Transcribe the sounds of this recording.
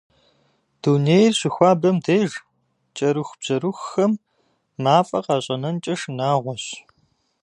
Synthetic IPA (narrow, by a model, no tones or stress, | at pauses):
d̥uneːjrɕɪxʷaːbɐmdeːʒ | t͡ʃʼɐɾuxb̥z̥ɐɾuxːɐmː | aːfʼɐqɑːɕʼɐnɐnt͡ʃʼɐʂnaːʁʷɔɕ